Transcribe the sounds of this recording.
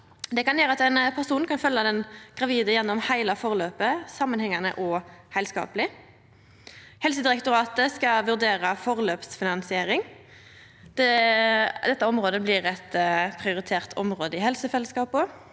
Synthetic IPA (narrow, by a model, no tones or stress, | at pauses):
d̪ɛkɑnjøːɾəɑt̪æɪnpʰæʁsuːnkɑnfœlːɑd̪ɛnɡ̥ʁɑʋiːd̪əjɛnːɔmhæɪlɑfɔʁløːpəsɑmːənhɛŋːɑnə̰ʔɔhæɪlskɑ̰ːpəlɪ | hɛlsəd̪ɪʁɛkt̪ʊʁɑːt̪əskɑʋʉʁd̪eːʁɑfɔʁløːpsfɪnɑnsɪeːʁɪŋ | d̪̥ɛ | d̪ɛt̪ːəɔmʁoːd̪əblɪʁɛt̪pʰʁɪʊʁɪt̪ʰeːʁt̪ʰɔ̰mʁoːd̪əɪhɛlsəfɛlːəskɑːpʊ